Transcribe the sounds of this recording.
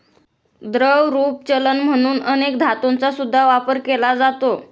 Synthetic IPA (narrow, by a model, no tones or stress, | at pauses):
d̪ɾəwɾuːp̚t͡ɕələnm̤əɽ̃uːnənekd̪ʱat̪ont͡sasud̪ʱːaʋapəɾkelad͡zat̪o